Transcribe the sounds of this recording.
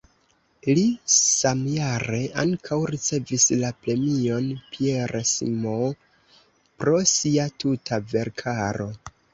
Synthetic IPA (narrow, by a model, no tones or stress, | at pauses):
lisamjaɾe̞ʔaŋkʰawɾit͡se̞vislapɾe̞mio̞npieɾsḭmo | pɾo̞siatutʰave̞ɾkʰaɾo̞